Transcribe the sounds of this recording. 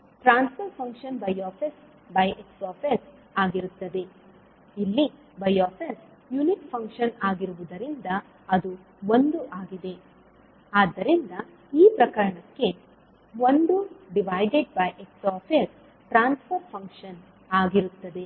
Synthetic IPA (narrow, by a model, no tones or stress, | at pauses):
ʈɾaːnspʰɐɾpʰɐŋkʂɐnbɐjaːpʰes | bɐjʔeksɔːɾpʰes | aːɡiɾut̪ːɐd̪e̞ | ilːi | bɐjaːpʰes | junikpʰɐŋkʂɐnaːɡiɾuʋud̪ɐɾind̪ɐː | d̪u | ond̪uʔaːɡid̪e̞ | aːd̪ːɐɾind̪ɐ | iːpɾɐkɐɾɐɳɐkːe̞ | ʋond̪uɖiʋaːjɖeɖ̚bɐjʔeksɔːpʰes | ʈɾaːnspʰɐɾpʰɐŋkʂɐn | aːɡiɾut̪ːɐd̪e̞